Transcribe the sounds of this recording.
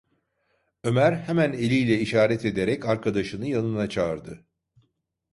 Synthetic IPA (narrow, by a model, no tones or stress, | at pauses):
ø̞mæɾhemæne̞lʲijlʲɛiʃaːɾɛt̪e̞d̪eɾɛcaɾkʰad̪aʃɯnɯjanɯnat͡ʃʰaːɾd̪ɯ